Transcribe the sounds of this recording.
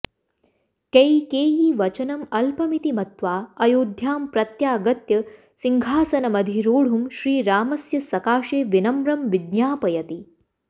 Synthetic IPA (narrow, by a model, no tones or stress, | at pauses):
kɐjkeːjiʋɐt͡ʃɐnɐmɐlpɐmit̪imɐt̪ʋaːɐjoːd̪ʱjaːmpɾɐt̪jaːɡɐt̪jɐ | siŋɡʱaːsɐnɐmɐd̪ʱiɾoːɽ̤umʃɾiːɾaːmɐsjɐsɐkaːʃeːʋinɐmɾɐmʋid̪ɲjaːpɐjɐt̪i